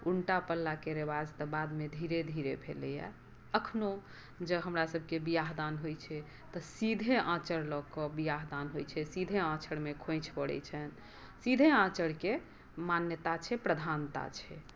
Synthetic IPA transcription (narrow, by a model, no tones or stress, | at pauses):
uɳʈapəlːakeɾebad͡ʒt̪əbad̪med̪ʱiɾed̪ʱiɾebʰʱelɛjɛ̰ | əkʰno | d͡ʒəɦəmɾasəbʱkebijaɦd̪anɦojt͡ʃʰɛ | t̪ɔsid̪ʱeʔãt͡ʃəɽlɔkɔbijaɦd̪anɦojt͡ʃʰɛsid̪ʱeãt͡ʃʰəɽmekʰõjt͡ʃʰpəɽɛ̰t͡ʃʰən | sid̪ʱeãt͡ʃəɽke | manjət̪at͡ʃʰɛpɾəd̪ʱant̪a̰t͡ʃʰɛ